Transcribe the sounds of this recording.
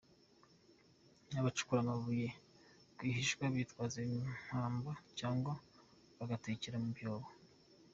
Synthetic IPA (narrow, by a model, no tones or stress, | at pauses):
naβat͡ʃu̥kuɾamaβujekwiːhiʃɡwaβitwaːzeim̥haːmbacaːŋɡo | βaɡateciɾamubjoːβo